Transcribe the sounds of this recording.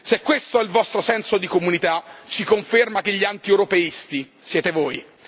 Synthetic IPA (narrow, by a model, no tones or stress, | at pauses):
sekwest̪oɛilvɔst̪ɾosɛnsod̪ikomunit̪at͡ʃikoɱfermak̟eʎːiant̪iewɾopeist̪i | sjɛːt̪evoːj